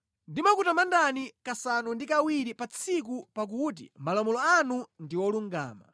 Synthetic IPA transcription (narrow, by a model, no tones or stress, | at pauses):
ndimakutamandanikasanundikawiɾipat͡sʰik̬upak̬ut̬ḭmalɔmɔlɔanundiwɔluŋɡa̰ːma̰